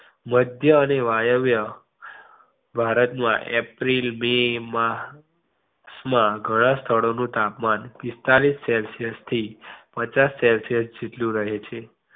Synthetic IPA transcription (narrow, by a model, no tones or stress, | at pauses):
məd̪ʱjəːneʋajəʋjə | bʱaɾət̪mãʔḛpɾilmema | smãɡʱəɽ̃ãst̪ʰəɭonũt̪apmanpist̪alisːelsijəst̪ʰipət͡ʃasːɛlsijəsd͡ʒet̪lũɾəɦet͡ʃʰe